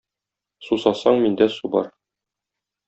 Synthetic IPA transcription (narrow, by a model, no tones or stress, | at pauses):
susɑsɑɴmind̪æsubɒ̰ɾ